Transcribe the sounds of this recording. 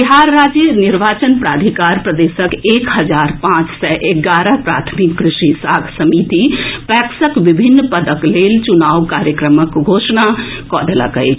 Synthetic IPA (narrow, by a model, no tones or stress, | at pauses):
biɦaːɾːaːd͡ʒjənɪɾʋaːt͡ʃənpɾaːd̪ʱikaːɾpɾəd̪eːsəkeːkɦɐd͡ʒaːɾpãːt͡ʃsɛʔeɡaːɾəɦpɾa̰ːt̪ʰmikːɾɪʃisaːɡʱsəmit̪ipɛːksəkʋɪbʱinːpəd̪əkleːlt͡ʃunaːʋkaːɾjəkɾəməkɡʱoːʃnakɔːɖ̪əla̰kə̰j